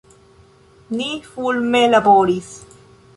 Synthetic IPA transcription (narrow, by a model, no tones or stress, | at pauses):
nifulmelaboːɾis